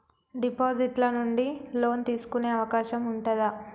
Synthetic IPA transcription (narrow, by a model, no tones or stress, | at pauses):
ɖipoːd͡ʒiʈlɐnuɳɖilo̞ːnt̪iːsu̥kune̞ːɐʋɐkaːʃɐmuɳʈuɐd̪ɐ